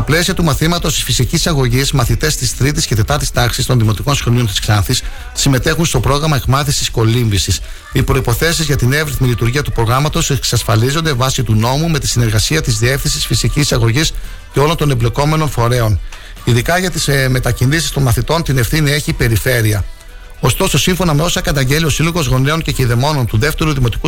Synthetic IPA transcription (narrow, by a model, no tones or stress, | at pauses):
st̪ɐple̞siɐt̪umɐθimɐt̪ost̪i̥sfisicisɐɣo̞ʝizmɐθit̪e̞st̪ist̪ɾit̪isce̞t̪e̞t̪ɐɾt̪i̥st̪ɐksist̪oðimo̞t̪iko̞nsxoniont̪i̥sklɐθis | sime̞t̪e̞xunst̪o̞pɾo̞ɣɾɐmɐekmɐθisisko̞limvisis | ipɾo̞ipo̞θe̞sizʝɐt̪inevɾiθmilit̪uɾʝiɐt̪u̥pɾo̞ɣɾɐmɐt̪o̞seksɐsfɐlizo̞nd̪evɐsit̪uno̞mume̞t̪isine̞ɾɣɐsiɐt̪izðie̞fθinsisfisicisɐɣo̞ʝis | ceo̞lo̞nt̪o̞nemble̞ko̞me̞no̞nfo̞ɾe̞o̞n | iðikɐʝɐt̪isme̞t̪ɐcinðisi̥st̪o̞nmɐθit̪o̞nt̪ine̞fθinie̞çipe̞ɾife̞ɾiɐ | o̞st̪o̞so̞siɱfo̞nɐme̞o̞sɐkɐt̪ɐɲɟe̞lio̞silo̞ɣo̞zɣo̞ne̞o̞nce̞ciðe̞mo̞no̞nt̪uðe̞ft̪e̞ɾuðimo̞t̪i̥ku